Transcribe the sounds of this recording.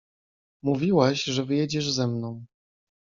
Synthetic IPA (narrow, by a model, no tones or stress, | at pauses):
muvʲiwaɕʐɛvɘjɛd͡ʑɛʐzɛmnɔ̃w̃